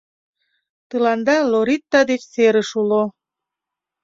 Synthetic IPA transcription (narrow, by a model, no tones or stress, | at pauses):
t̪əlɑnd̪ɑloɾit̪ːɑd̪et͡ɕseɾəʃulo